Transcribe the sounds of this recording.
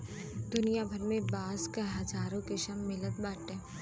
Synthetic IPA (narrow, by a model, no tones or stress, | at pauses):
d̪ʊnijabʱɐɾmẽbaːzkaɦɐd͡ʒaːɾõkɪʃɐmːɪlət̪baːʈɛ̃ː